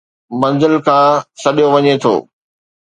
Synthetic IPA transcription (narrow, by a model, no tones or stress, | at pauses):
mɐ̃nzəlkʰãːsɐɗijoʋɐɲet̪ʰo̰ː